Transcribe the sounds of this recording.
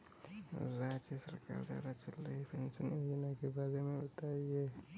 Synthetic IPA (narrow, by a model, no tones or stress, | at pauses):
ɾad͡ʒjəsəɾka̰ɾd̪a̰ɾat͡ʃəlːepʰensəninakebaɾemẽut̪aije